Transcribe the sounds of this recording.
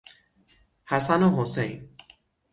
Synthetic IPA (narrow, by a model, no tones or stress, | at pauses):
hasanoɦosej